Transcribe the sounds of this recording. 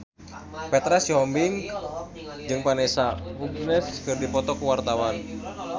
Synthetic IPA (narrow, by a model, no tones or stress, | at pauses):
pɛt̪ɾɛsjɔmbiŋ | d͡ʒɨŋpanɛsaub̚nɛskɨrdipɔt̪ɔkuwart̪awan